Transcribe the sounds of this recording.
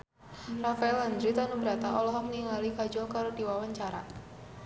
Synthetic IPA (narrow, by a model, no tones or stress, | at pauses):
rafaɛland̪ɾit̪anubəɾat̪aɔlɔɦɔməniŋalikad͡ʒɔkaɾodiwawaɲt͡ʃaɾa̰